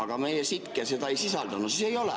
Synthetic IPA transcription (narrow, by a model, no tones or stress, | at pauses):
ɑɡ̥ɑmejesit̪keset̪ɑisisɑld̪ɑnusisejolḛ